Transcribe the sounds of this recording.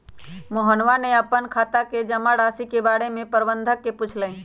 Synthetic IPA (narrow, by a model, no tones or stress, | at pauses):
moɦənʋaneəpːənkʰaːt̪aked͡ʒəmaɽaːsikebaːɽemẽpəɾbənd̪ʱəkːepʊt͡ʃʰləĩ